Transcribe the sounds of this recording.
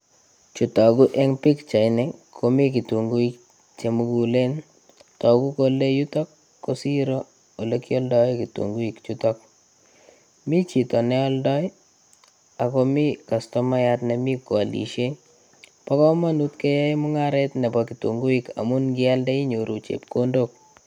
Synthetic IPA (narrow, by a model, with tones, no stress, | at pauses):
t͡ʃu˨tɔ˨ku˦ʔɛ˦ŋpi˦kt͡ʃa˨ɪnɛ˦kʰo˨mi˦ki˨tu˨ŋɡu˦i˦k̚ | t͡ʃe˨mu˦ɡu˨le˦n | tɔ˨ku˦kole˦ju˦tɔ˦kː | o˦si˦ɾo | o˨le˦ki˦ɔ˦ldɔ˦jkitṵ˨ŋɡu˦i˨kt͡ʃutɔk̚ | mi˦t͡ʃi˨tɔ˨nɛ˦ɔ˦ldɔ˦j | a˨ko˦mi˦ka˨stɔ˦ma˦jatne˨mi˦ko˨a˨lḭ˨ʃe˦ɲ | pɔ˦kɔ˦ma˦nu˦tke˦jɛ˦i˦mu˦ŋaɾɛ˦tnɛ˨bɔki˨tṵ˨ŋɡu˦i˦ka̰˨mu˦nɡi˦a˦ldɛ˦i˦ɲo˨ɾu˨t͡ʃḛ˨p̚ko˦ndok̚